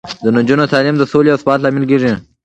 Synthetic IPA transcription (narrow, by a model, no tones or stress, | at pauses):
d̪ənʊd͡ʒunot̪ɑːlimd̪əsoleasbɑːt̪lɑmɪlk̬eːʐi